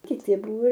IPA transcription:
kʲɪˈtʲɪ ˈbʊʋoː

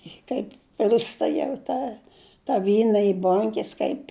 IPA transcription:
ɪ ˈtɐɪp ˈpʲɪlʲstɐ jɛʊ ˈtɑː tɐ ˈʋʲiːnɐ ɪ ˈboːŋʲkʲɛs kɐɪpʲ

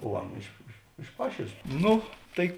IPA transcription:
oː ˈɑːnɐ ɪʃ ɪʃ ɪʃ ˈpɑːʃʲeːlʲeːs ˈnʊ ˈtɐɪ

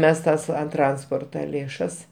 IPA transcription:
ˈmʲɛs ˈtɐs ɐn ˈtrɐnspoːrtɐ lʲeːˈʃɐs

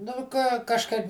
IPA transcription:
nʊ ˈkɑː kɐʃˈkɐɪp

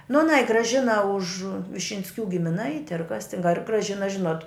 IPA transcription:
nʊ ɐˈnɐɪ ɡrɐˈʒʲɪnɐ ʊʃ ʋʲɪʃʲɪnʲsʲˈkʲuː ɡʲɪmʲɪˈnɐɪtʲɪ ɐr kɐs tʲɪn ɐr ɡrɐˈʒʲɪnɐ ˈʒʲɪnoːt

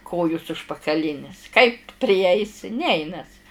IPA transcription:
ˈkoːjʊs ʊʃpɐkɐˈlʲɪnʲɪs kɐɪp pʲrʲɪˈɛɪsʲɪ ˈnʲɛɪnɐs

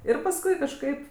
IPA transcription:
ˈɪr pɐsˈkʊɪ kɐʃˈkɐɪp

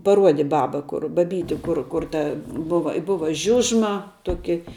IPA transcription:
pɐˈruɔdʲɪ ˈbɑːbɐ ˈkʊr bɐˈbʲiːtʲɪ ˈkʊr ˈkʊr tɐ ˈbʊʋɐ ɪ ˈbʊʋɐ ˈʒʲʊʒmɐ ˈtuɔkʲɪ

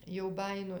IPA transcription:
jɛʊ ˈbɑːjɪnoː

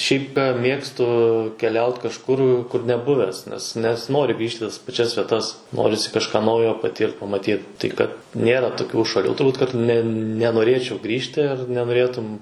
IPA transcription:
ˈʃʲɛɪp kɐ ˈmʲeːkstʊ kʲɛˈlʲɛʊt kɐʃˈkʊr kʊr nʲɛˈbʊʋʲæːs nʲɛs nʲɛsʲɪˈnoːrʲɪ ˈɡrʲiːʃʲtʲ ɪ tɐs pɐˈt͡ʃʲɛs ʋʲiɛˈtɐs ˈnoːrʲɪsʲɪ kɐʃˈkɑː ˈnɐʊjoː pɐˈtʲiːrt pɐmɐˈtʲiːt ˈtɐɪ kɐt ˈnʲeːrɐ toːˈkʲuː ʃɐˈlʲuː tʊrˈbuːt kɐt ˈnʲɛ nʲɛnoːˈrʲeːt͡ʃʲɛʊ ˈɡrʲiːʃʲtʲɪ ɐr nʲɛnoːˈrʲeːtʊm

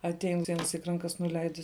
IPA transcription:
ɐtʲˈɛɪn ˈtʲɛɪn ʋʲiɛnʲˈsʲɪk rɐŋˈkɐs nʊˈlʲɛɪdʲɪs

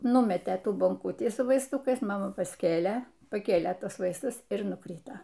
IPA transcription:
ˈnʊmʲɛtʲeː ˈtuː boːŋˈkʊtʲiː sʊ ʋɐɪsˈtʊkɐɪs mɐˈmɐ pɐsʲˈkʲeːlʲeː pɐˈkʲeːlʲeː ˈtuɔs ˈʋɐɪstʊs ɪr nʊˈkrʲiːtoː

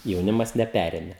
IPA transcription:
jɛʊˈnʲɪmɐs nʲɛˈpʲærʲeːmʲɛ

